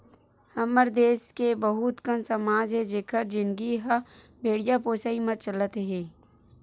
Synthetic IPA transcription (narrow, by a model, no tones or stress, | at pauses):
hɐməɾd̪eːskebəɦʊt̪kənsəmaːd͡ʒɦed͡ʒɪkʰəɾd͡ʒɪnɡiɦa | bʱeːɽijapoːsaːimə̃t͡ʃələt̪ɦẽː